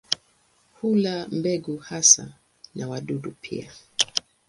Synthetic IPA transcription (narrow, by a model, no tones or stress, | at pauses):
hulambɛɡuhasa̰ | nʔawaɗuɗupʰḭa